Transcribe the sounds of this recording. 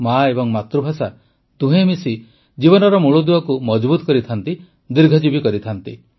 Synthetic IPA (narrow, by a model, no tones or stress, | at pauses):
maebɔŋmat̪ɾubʱasa | t̪ũɦemisi | d͡ʒibɔnɔɾɔmuɭud̪uɔkumɔd͡ʒbut̪ɔ̥kɔɾit̪ʰant̪i | d̪iɾɡʱɔd͡ʒibikɔɾit̪ʰant̪i